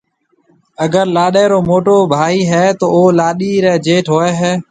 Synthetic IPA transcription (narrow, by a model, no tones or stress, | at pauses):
əɡəɾlaːɗɛːɾoːmoːʈoːbʱaːɦiːɦɛːt̪oːoːlaːɗiːɾɛːd͡ʒeːʈʰɦoːɛːɦɛː